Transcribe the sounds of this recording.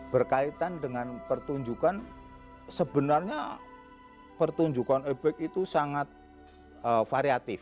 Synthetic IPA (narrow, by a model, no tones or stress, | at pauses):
b̥ərkait̪andəŋanpərt̪uɲd͡ʒukan | səbənarɲa | pərt̪uɲd͡ʒukanebɛk̚it̪usaŋat̪̚ | əfaɾiat̪ɪf